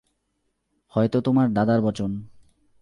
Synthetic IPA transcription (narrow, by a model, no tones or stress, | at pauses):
hɔjt̪ot̪omaɾd̪ad̪aɾbɔt͡ɕon